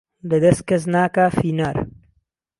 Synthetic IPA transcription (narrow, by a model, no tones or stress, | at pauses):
lɨd̪ɐst̪̚kɐs̬naːkaːfiːnaːɾ